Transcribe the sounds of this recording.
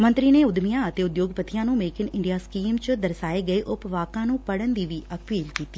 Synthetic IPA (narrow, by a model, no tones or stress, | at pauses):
mə̃nt̪ɾiːneʊd̪mijãːət̪eːʊd̪joːɡpət̪ʰijãːnũːmeːkɪnɪ̃ɳɖijaːskiːmt͡ʃəd̪əɾsaːeːɡɐeʔʊpʋaːkãːnũːpəɽənd̪iːʋiːəpiːlkiːt̪iː